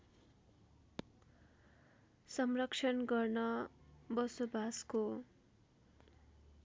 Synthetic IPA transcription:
sʌmrʌkʂʰʌnɡʌrnʌbʌsobʱasko

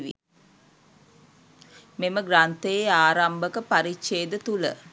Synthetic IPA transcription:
ʋḭ | meməɡrant̪əjeaːɾambəkəpaɾitʃeːd̪ət̪ulə̰

